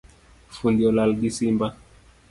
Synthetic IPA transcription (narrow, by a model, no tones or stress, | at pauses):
fundiɔlalɡisimba